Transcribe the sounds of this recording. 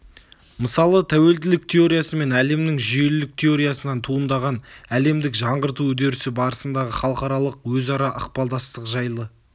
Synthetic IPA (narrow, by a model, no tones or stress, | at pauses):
məsɑlˠət̪ʰæwe̞ld̪ɪlɪk̚t̪ʰe̞o̞ɾijasəme̞næle̞mnɪŋʒʏjelɪlɪk̚t̪ʲʰe̞o̞ɾijasənɑnt̪ʰuənd̪ɑʁɑnæle̞md̪ɪkʒɑɴʁəɾt̪uwɵd̪e̞ɾɪsɪbɑɾəsənd̪ɑʁəχɑlˠəqɑɾɑlˠəqwɵzɑɾɑʔɑq̚pɑlˠd̪ɑst̪əqʒɑjlˠə